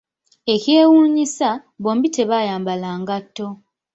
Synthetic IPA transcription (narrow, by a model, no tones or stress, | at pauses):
e̞ce̞ːwuːɲisa | βo̞ːmbite̞βaːjaːmbalaːŋɡatːo̞